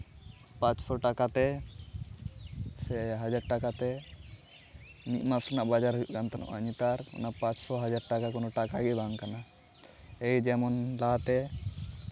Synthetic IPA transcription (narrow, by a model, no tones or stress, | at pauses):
pãt͡ʃsɔʈakat̪ɛ | sɛɦad͡ʒaɾ̚ʈakat̪ɛ | mit̪masanaʔbad͡ʒaɾɦujuʔkant̪anɔ̰ʔaɲit̪aɾɔ̰napãt͡ʃsɔɦad͡ʒaɾ̚ʈakakɔnɔʈakaɡɛbaŋkana | ejd͡ʒɛmɔnlat̪ɛ